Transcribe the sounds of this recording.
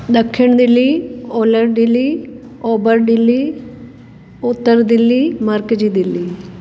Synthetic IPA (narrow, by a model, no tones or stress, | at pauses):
d̪ɐkʰːɪɳd̪ilːioːlɐɾɖilːi | oːbəɾɖilːi | ut̪ːəɾd̪ilːimɐɾkd͡ʒid̪ilːi